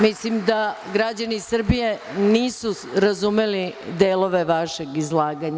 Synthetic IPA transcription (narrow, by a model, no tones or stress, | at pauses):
mislimd̪a | ɡɾad͡ʑanisr̩bije̞ | niːsu | ɾazumelid̪eːlo̞ʋe̞ʋaʃeɡizlˠaːɡaɲa